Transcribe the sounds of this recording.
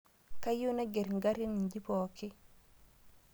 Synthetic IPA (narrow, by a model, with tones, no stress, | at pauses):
ka˦ju˦na˦ɡɛ˨ɾŋɡa˦ɾi˦nɲd͡ʒi˦pɔ˨ki˦